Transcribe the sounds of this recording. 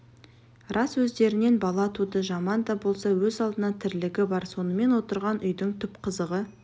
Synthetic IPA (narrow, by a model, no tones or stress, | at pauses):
rɑswɵzd̪e̞ɾɪne̞nbɑlˠɑt̪ʰud̪əʒɑmɑnd̪ɑbo̞lˠsɑwɵzɑlˠd̪ənɑt̪ʰɪɾlɪɡʲɪbɑɾso̞nəme̞nwo̞t̪əɾʁɑnʔʏjd̪ɪŋt̪ʰʏpqʰəzəʁə